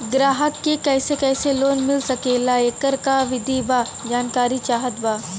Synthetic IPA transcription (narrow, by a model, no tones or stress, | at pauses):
ɡɾaːɦəkːekɛːsekɛːseloːnmɪlsɐkelaeːkəɾkaʋɪd̪ʱibaː | d͡ʒaːnkaːɾit͡ʃaːɦət̪baː